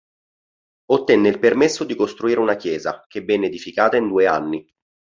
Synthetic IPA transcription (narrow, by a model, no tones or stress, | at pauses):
ot̪ːɛnːeilpermesːod̪ikost̪ɾuiːɾeunakjɛːza̰kebːɛnːed̪ifikaːt̪aind̪uːea̰nːi